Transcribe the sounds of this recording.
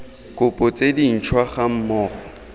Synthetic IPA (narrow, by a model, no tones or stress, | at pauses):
kʼʊpʼʊt͡sʼedin̩t͡ʃʰwaχam̩mɔːχɔ